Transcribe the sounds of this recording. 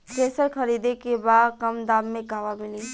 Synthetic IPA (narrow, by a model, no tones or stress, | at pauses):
kʰeːsəɾkʰəɾiːd̪ekebaːd̪kɐmd̪aːbmẽɡʱaːʋamɪlĩː